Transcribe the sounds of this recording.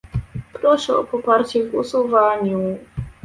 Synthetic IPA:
pɾɔʂɛɔpɔpaɾt͡ɕɛvusuvaɲu

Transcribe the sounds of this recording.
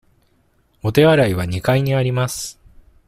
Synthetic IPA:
o̞t̪e̞βaɾaiβaɲ̟ikaiɲ̟iaɾʲimasɨ̥

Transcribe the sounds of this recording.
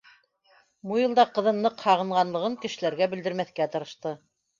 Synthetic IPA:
mujɤ̆lˠd̪ɑqɤ̆ðɤnːɤqhɑʁɤ̆ɴʁɑnlˠɤ̆ʁɤŋkɘ̆ʃɘ̆læɾɡæbɘ̆ld̪ɘ̆ɾmæθkæt̪ɤ̆ɾɤ̆ʃt̪ɤ

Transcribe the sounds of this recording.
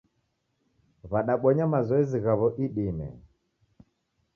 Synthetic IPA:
βaɗaɓɔɲamazɔɛziɣaβɔʔiɗimɛ̰

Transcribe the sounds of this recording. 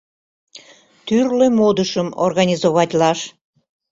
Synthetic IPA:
t̪yrlemod̪əʃəmo̰rɣɑnʲizoβɑt̪ʲlɑʃ

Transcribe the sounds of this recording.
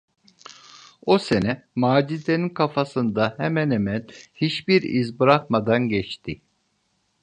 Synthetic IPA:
ose̞nɛmaːd͡ʒid̪eninkʰafasɯnd̪ahɛmænemænhit͡ʃbiɾizbɯɾakmad̪anɟɛt͡ʃt̪ʰi

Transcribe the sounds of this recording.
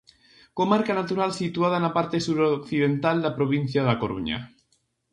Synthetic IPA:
komaɾkanat̪uɾalsit̪uað̞anapaɾt̪esuɾokθiðent̪ald̪apɾoβ̞in̟θjaðakoɾṵɲa̰

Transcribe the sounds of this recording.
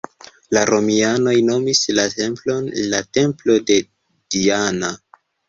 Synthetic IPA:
laɾo̞miano̞jno̞mislae̞mplo̞nlate̞mplo̞de̞ | d̥iana

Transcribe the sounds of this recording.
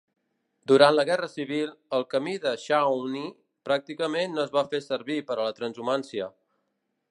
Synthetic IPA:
d̪uɾant̪ləɣɛrəsiβ̞ilˠəlˠkəmiðəʃawni | pɾak̚t̪ikəmenːoəzβafesəɾβipəɾələt̪ɾənzumansiə

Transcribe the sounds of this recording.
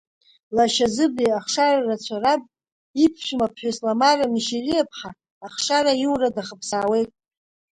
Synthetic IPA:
laʃazɨbliaχʂararat͡ɕʷʰarapʼ | ipʰʃᶣumapʰħʷᶣaslamaramiʃirijapʰħaː | χʂaɾaiwradaχəpʰsaːwe̞jtʼ

